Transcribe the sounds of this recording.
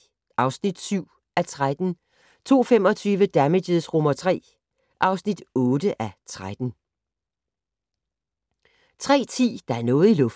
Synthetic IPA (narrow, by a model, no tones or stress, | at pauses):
ʔɑ̈ʊsnid̥syʊ̰ | ʔæt͡sʰʁad̥n̩ | t͡sʰo̝̰ːfemɒ̽t͡sʰyːʋəd̥æmedeðˠsʁomɐt͡sʰʁɛ̰ː | ʔɑ̈ʊsnid̥ɔːdəʔæt͡sʰʁad̥n̩ | t͡sʰʁɛ̰ːt͡sʰḭːd̥ɑ̈æɐnɔ̽ːð̩ˠilɔ̽f